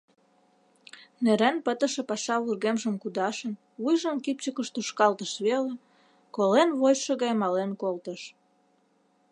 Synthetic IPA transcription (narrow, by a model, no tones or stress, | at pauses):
neɾænpət̪ə̆ʃĕpɑʃɑβurɣemʒəmkud̪ɑʃən | βujʒə̆mkip̚t͡ɕəkəʃt̪uʃkɑlt̪əʃβele | kolenβojʃə̆ɣɑjmɑlenkolt̪əʃ